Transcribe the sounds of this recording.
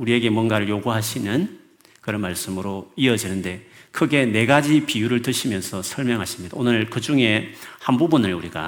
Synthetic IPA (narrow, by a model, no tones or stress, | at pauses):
uɾie̞ɡe̞mwʌnɡaɾɯɭjoɡuɦaɕʰinɯn | kɯɾʌnmaɭs͈ɯmɯɾoiʌd͡ʑinɯnde̞kʰɯɡe̞ne̞ɡad͡ʑipijuɾɯɭtɯɕʰimjʌnsʰʌsʰʌɭmjʌŋɦaɕʰi̥mɲid̥̪a̰onɯɭkɯd͡ʑuŋe̞hanbubunɯɭuɾiɡa̰